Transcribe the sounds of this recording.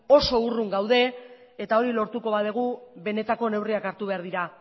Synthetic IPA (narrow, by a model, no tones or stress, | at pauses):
o̞so̞uruŋɡawðe̞ | et̪ao̞ɾilo̞ɾt̪uko̞βaðeɣ̞uβe̞ne̞t̪ako̞ne̞wriakaɾt̪uβe̞aɾðiɾa